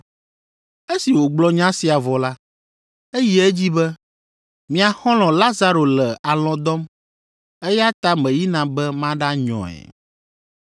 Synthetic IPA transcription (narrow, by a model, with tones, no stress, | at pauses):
e˦si˨wo˨ɡ͡blɔ˦ɲã˦si˨a˨vɔ˨la˦ | e˦jɛ˦e˦d͡ʑi˦bɛ˦ | mĩ˨a˨xɔ̃˦lɔ̃˨la˦za˦ɾo˨lɛ˨a˨lɔ̃˨d̪ɔ˦m | e˦ja˦t̪a˦mɛ̃˨ji˦nã˨bɛ˦mã˦ɖa˦ɲɔ̰̃˨ɛ̰˨